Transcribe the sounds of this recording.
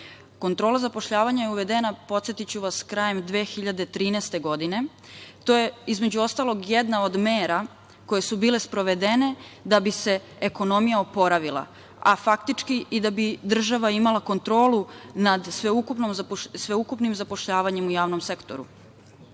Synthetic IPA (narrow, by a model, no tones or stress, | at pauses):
ko̞nt̪ɾo̞ːlazapo̞ʃʎaːʋaɲajeuʋe̞d̪enapo̞t̪se̞t̪it͡ɕuʋaskɾaːje̞md̪ʋe̞ːxiʎad̪e̞t̪ɾiːnɛst̪e̞ɡo̞d̪ine̞ | t̪oje̞izme̞d͡ʑuo̞st̪alo̞ɡjed̪nao̞d̪meːɾa | ko̞je̞subiːle̞spɾo̞ʋe̞d̪ene̞d̪abise̞ | eko̞no̞mijaopo̞ɾaʋilˠa̰ | afakt̪it͡ʂkiːd̪abid̪r̩ʒaʋaimalako̞nt̪ɾo̞ːlunad̪sʋeukupnomzsʋe̞ukupnimzapo̞ʃʎaːʋaɲe̞mujaːʋnomsekt̪oɾṵ